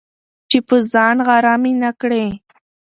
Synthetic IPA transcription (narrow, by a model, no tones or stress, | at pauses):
t͡ʃepəzɑnɣaɾɑminakɽe